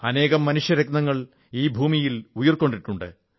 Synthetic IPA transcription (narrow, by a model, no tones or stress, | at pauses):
ɐne̞ːɣɐmːɐnuʂjɐɾeknɐŋːɐɭ | iːbʱuːmijilujɐrko̞ɳɖiʈːuɳɖɨ̰